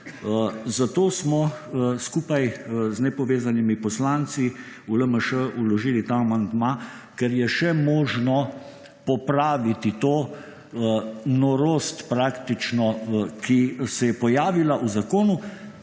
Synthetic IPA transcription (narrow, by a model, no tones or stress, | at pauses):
zat̪oːsmɔskuːpajznɛpɔʋeːzanimipɔslant̪si | uləməʃəulɔʒiːlit̪aːmand̪ma | kɛɾjɛʃɛmɔːʒnɔ | pɔpɾaːʋit̪it̪oː | nɔɾoːst̪pɾaːkt̪it͡ʃnɔkisɛjɛpɔjaːʋilaʔuzakoːnu